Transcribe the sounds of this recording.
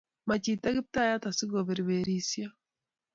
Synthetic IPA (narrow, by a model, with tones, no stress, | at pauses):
ma˨t͡ʃita˦ɡi˦p̚ta˦ja˦ta˨si˦ɡo˨βe˨ɾiβeɾiːsja˦